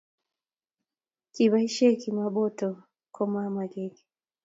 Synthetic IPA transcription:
kiβaiʃɛkimaɓɔtɔ | kʰɔmamaɡɛɡɛ

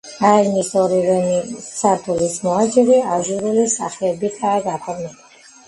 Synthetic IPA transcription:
aimisɔɾiɾɛnisʰaɾt̪ʰulismɔat͡ʃʼiɾiaʒuɾulisa̰χɛːbit̪ʰaːɡapʰɔɾmɛba

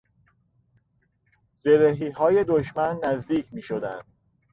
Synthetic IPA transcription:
z̥eɾeɦiːɦɒːje̞d̪oʃmænːæzd̪iːcʰmiːʃod̪ænd̪̥̚

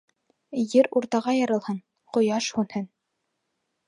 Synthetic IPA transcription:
jɘɾuɾt̪ɑʁɑjɑɾɤ̆lˠhɤn | qŏjɑʃhunhɘn

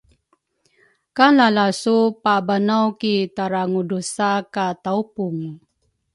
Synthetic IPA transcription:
kalalasupabanawkitaɾaŋudusakataupuŋ

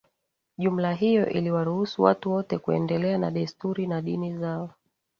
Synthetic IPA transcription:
ʄum̩laɦijɔ̰ʔiliwaɾuhusuwa̰tuwɔtɛkuɛ̰ndɛlɛana̰ɗɛstuɾinaɗinizaɔ

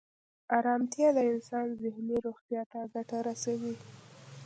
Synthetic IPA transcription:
ɑɾɑmt̪jɑləɪnsɑnzɪhniɾoɣt̪jɑt̪aɡaʈaɾasawi

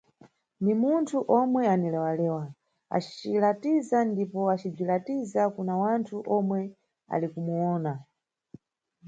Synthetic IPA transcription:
ndimuntʰuʔɔmwɛanilɛwalɛːwa | a̰t͡ʃi̥t͡ʃilatizandipɔat͡ʃib͡ʐilatizakunawantʰuʔɔmwɛ | a̰likumuɔːna

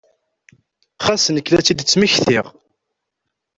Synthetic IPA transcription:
χæsənəkːlæt͡sːid̪t͡sːməçθɪʁ

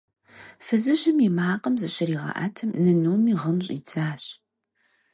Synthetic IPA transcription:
fɨzɨʑɪmimaːqəmzɨɕɪɾiːʁɑ̰ʔa̰ːtʰɨmnɨnuwmiːʁəmɕʼḭt͡sʰaːɕʼ

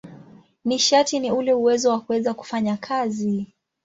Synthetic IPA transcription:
niʃatiniulɛuwɛzɔwakuwɛzaku̥faɲakʰazi

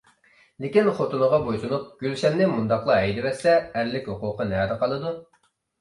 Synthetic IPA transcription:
lekʲinχot̪unəʁɑbojsunup̚ɡ̥ʲylʃɛmnɪmund̪ɑχlˠɑɛjd̪ɪvɛsɛːɾlɪkʲhoqʊqənɛɾɨqʰɑlˠɨd̪u

